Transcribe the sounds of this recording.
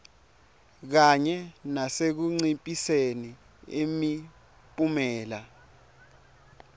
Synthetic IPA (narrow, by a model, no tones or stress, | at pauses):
k̬aɲɛnasek̬uŋ͡ǀipʼiseni | emi | pʼumɛːla